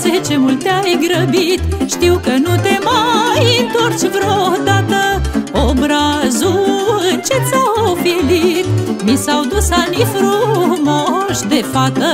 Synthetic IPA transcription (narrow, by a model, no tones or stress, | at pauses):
set͡ʃemult̪eajɡɾəbit̪ʃt̪iwkənut̪emajɨnt̪ort͡ʃʲvɾohd̪at̪əobɾazuɨnt͡ʃet̪safilit̪̚misawd̪usanifɾumoʃd̪efat̪ə